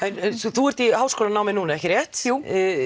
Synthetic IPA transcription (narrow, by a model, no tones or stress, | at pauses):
ɛnɛnθθuɛɾ̥t̪ihawskɔːlanawmɪnuːnaɛhcɪɾjɛht̪u